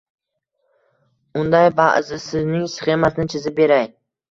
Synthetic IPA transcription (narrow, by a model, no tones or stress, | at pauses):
ʊnd̪ajbaʔzɪsɪznɪŋsχe̞masɪnɪt͡ʃʰɪzɪp̚be̞ɾaj